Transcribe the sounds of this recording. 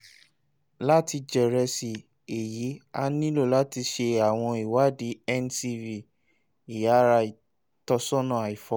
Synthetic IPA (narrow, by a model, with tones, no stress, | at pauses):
la˦ti˧d͡ʒɛ˨ɾɛ˧si˨ | e˨ji˨˦a˧nĩ˦lo˦˨la˦ti˧ʃe˧a˨w̃ɔ̃˧i˨wa˨˦di˨˦ɛ˦nsi˧vi˨ | i˨ja˨˦ɾa˧i˨ | tɔ˧sɔ˦nã˦˨a˨i˨fɔ˨˧˦